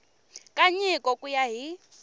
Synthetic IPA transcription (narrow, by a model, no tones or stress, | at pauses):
kʼaɲikʼɔkʼujaɦi